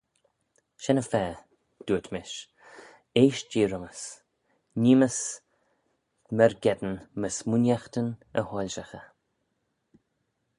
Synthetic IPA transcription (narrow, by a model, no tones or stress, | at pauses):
ʃɛnəfɛː | d̪̥uːət̪ʰmɪʃ | eːʃd͡ʒiːɾəməs | niːməs | mɛɹɡɛd̪ənməsmunjaxt̪ənəhɔlʲʃaxə